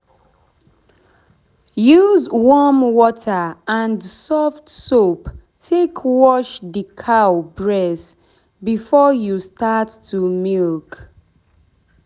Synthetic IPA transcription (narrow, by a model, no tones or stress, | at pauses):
juzwɔmwɔtʰəãndsɔftsop | tʰekʰwɔʃdəkʰaʊbɹɛs | bifɔjustatːumilk